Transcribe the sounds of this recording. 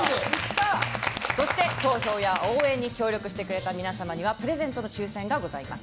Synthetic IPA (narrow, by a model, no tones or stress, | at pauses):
so̞ɕi̥t̪e̞t̪o̞ːço̞ːjaoːẽ̞ɲ̟ːikʲo̞ːɾʲo̞kɯ̟ɕi̥t̪e̞kɯ̟ɾe̞t̪amʲinasamaɲ̟iβ̞apɯ̟ɾe̞zẽ̞nt̪o̞no̞t͡ɕɨːsẽ̞ŋɡaɡo̞zaima̰sɨ̥